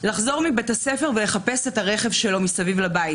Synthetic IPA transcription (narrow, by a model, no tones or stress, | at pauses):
laχzo̞ʁmibethasefe̞ʁvele̞χapesetaʁe̞χevʃe̞lo̞misavivlabai